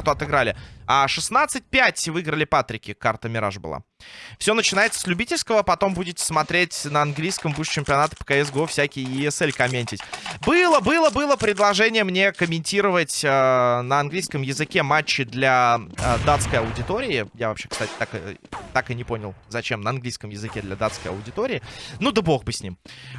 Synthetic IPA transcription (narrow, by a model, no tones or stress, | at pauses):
t̪ʊɐt̪ɨɡɾalʲɪaʂɨsnat̪sɨt̚ʲpʲætʲvɨɡɾəlʲɪpat̪ɾʲɪkʲɪkart̪əmʲɪɾa̰ʐbɨ̰lˠa̰fsʲo̞nət͡ɕɪnajɪt̪sə̥slʲʉbʲitʲɪlʲskəvəpɐt̪o̞mbudʲɪtʲɪ̥smɐt̪ɾʲetʲnəɐnɡlʲijskəmbuʂt͡ɕɪmʲpʲɪɐnat̪ə̥pə̥kaɛs̬ɡofsʲækʲɪjjɪɛsɛlʲkɐmʲenʲtʲɪtʲbɨlˠəbɨlˠəbɨlˠəpɾʲɪd̪lˠɐʐɛnʲɪjəmnʲe̞kəmʲɪnʲtʲiɾəvətʲənəɐnɡlʲijskəmjɪzɨkʲe̞mat͡ɕːɪd̪lʲad̪at̪skəjɐʊdʲɪt̪o̞ɾʲɪɪjavɐpɕe̞kst̪atʲɪ̥t̪akɨ̰t̪akɨnʲɪpo̞nʲɪlˠzɐt͡ɕemnəɐnɡlʲijskəmjɪzɨkʲed̪lʲɐd̪at̪skəjɐ̰ʊdʲɪt̪oɾʲɪːnud̪əbo̞xbɨsʲnʲim